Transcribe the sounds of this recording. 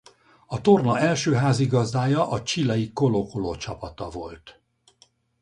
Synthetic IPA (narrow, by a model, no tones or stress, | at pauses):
ɒt̪o̞rnɒɛlʃøːɦaːziɡɒzd̪aːjɒʔɒt͡ʃilɛjiko̞lokoloːt͡ʃɒpɒt̪ɒvo̞lt̪